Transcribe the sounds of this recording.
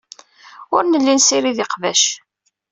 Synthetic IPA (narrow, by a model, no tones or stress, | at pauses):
ʊɾnəlːinsiɾiðɪqvæʃ